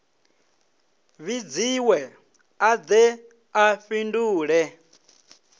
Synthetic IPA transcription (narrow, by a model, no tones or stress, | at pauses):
βid͡ziwɛ | ad͡zɛ | aɸinduːɺɛ